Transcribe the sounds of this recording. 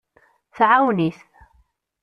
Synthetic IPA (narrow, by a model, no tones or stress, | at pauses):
θʕawniθ